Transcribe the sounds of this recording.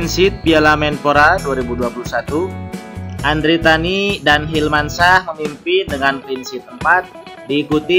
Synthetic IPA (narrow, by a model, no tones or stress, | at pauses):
nsɪt̪̚pialamɛnpoɾaduaɾibuduapulusat̪u | ʔandɾit̪anidanɦilmansahməmimpɪndəŋanpɾinsɪt̪̚əmpat̪̚ | diːkut̪i